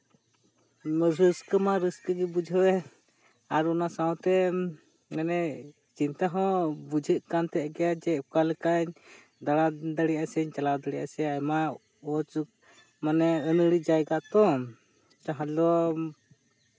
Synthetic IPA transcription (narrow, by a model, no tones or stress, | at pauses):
mɔɾəskəmaɾəskəɡɛbud͡ʒʱɔɛ | aɾɔnasawt̪ɛ | ŋɛnɛ | t͡ʃint̪aɦɔ̃bud͡ʒʱəʔkant̪ɛʔɡɛjad͡ʒɛukalɛkaɲ | d̪aɽad̪aɽiasɛɲt͡ʃalawd̪aɽija̰sɛjama | ɔt͡ʃuk̚ | manɛənəɽid͡ʒajɡat̪ɔ̃ | t̪aɦalɔ